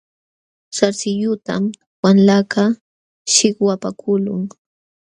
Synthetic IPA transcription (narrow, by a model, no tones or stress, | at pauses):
saɾsɪjʊt̪a̰m | wanlaka | ʃɪkwapakʰʊlʊŋ